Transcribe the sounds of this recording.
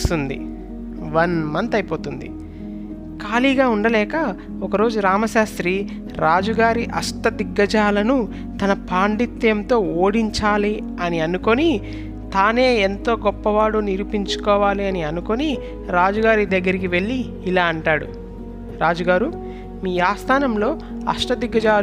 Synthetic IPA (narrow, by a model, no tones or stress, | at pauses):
t̪und̪ḭ | ʋɐnmɐnt̪ɐjpo̞ːt̪und̪ḭ | kaːliːɡaːuɳɖɐlɛːkɐ | ɔkɐɾo̞ːd͡ʒuɾaːmɐʃaːst̪ɾi | ɾaːd͡ʒuɡaːɾiʔɐst̪ɐd̪iɡːɐd͡ʒaːlɐnu | t̪ɐnɐpaːɳɖit̪ːjɐmt̪o̞ːoːɽiɲt͡ʃaːli | ɐniɐnuko̞ni | t̪aːne̞ːent̪o̞ːɡɔpːɐʋaːɽuniɾupiɲt͡ʃu̥kɔːʋaːliɐniɐnukoni | ɾaːd͡ʒuɡaːɾid̪ɐɡːɐɾikiʋe̞ɭːiː | laːɐɳʈaːɽṵ | ɾaːd͡ʒuɡaːɾu | miːaːst̪ʰaːnɐmlo̞ː | ɐ̰ʂʈɐd̪iɡːɐd͡ʒaː